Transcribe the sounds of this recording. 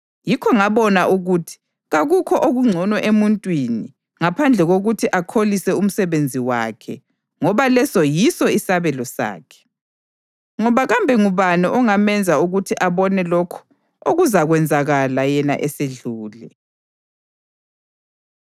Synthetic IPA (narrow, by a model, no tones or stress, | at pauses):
jikʰɔŋaβɔnaʔuɣutʰi̥ | ɣaɣukʰɔʔoɣuŋ͡ǀʱɔnwɔʔemuntʼwini | ŋapʰand͡ɮʱɛɣoɣutʰiʔakʰolisɛum̩sɛβend͡zʱiwa̰ːkʰɛ | ŋɔβalɛsɔjisɔisaβɛlɔsa̰ːkʰɛ̥ | ŋɔβaɣambʱɛŋuβaniʔɔŋamɛnd͡zʱauɣutʰiʔaβɔnɛlokʰɔ̥ | oɣuzaɣwɛnd͡zʱaɣalajɛna̰ʔɛseɮuːlɛ